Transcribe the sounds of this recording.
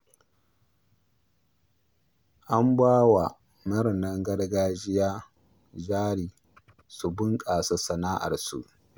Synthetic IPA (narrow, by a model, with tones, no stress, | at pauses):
ʔa˦mbaː˦wa˨ | mɐ˦ɾnɐ˦ŋɡɐ˦ɽɡaː˦d͡ʒɪ˦jaː˦ | d͡ʒaː˦ɽiː˨ | su˨bʊ˦ŋkʼaː˨sa˦sɐ˨naː˦ʔa̰˨rsṵ˨ʔ